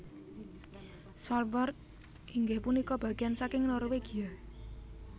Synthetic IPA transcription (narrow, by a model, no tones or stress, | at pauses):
sɔlbɔr | ʔiŋɡehpunikɔb̥a̤ɡ̥eansakɪŋnoɾweɡ̥ija